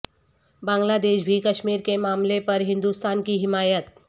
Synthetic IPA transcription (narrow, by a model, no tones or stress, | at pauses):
bãːŋɡlaːd̪eːʃbʱikəʃmiːɾkemaːmlepəɾɦɪ̃nd̪ust̪aːnkiɦɪmaːjət̪̚